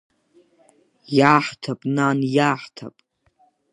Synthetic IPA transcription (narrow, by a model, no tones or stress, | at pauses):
jaːħtʰapʼnanjaːħtʰa̰pʼ